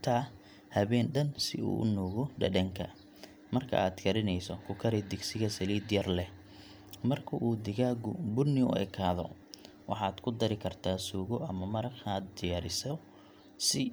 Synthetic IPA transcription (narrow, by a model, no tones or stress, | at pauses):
t̪ʰɐ | hɐβɛːnɖɐnsɪṵːʔʊ̰nuːɣɔɖɐ̰ɖɐŋkʰɐ̰ | mɐrkʰɐ̰ʔaːd̪kʰɐɾɪnɛjsɔkʰʊkʰɐɾɛd̪ɪɡsɪɣɐsɐliːd̪jɐrlɛ | mɐrkʰɐʔuːd̪ɪɣaːɡʊ̰bʊrnɪʊ̰ɛ̰kʰaːðɔ̰ | wɑ̰ħɑːd̪kʰʊd̪ɐɾɪkʰɐrt̪ʰaːsuːɣɔʔɐmɐmɐɾɐɡaːd̪d̪ɪjaːɾɪsɔ | sɪ